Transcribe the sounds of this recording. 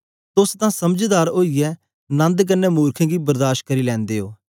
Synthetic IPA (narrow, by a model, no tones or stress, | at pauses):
t̪ʊst̪ãːsɐmd͡ʒd̪aːɾoːijɛː | nɐ̃nd̪k̬ənɛːmuːɾkʰẽːɡiːbəɾd̪aːʃt̚kəɾiːlɛ̃ːnd̪eːoː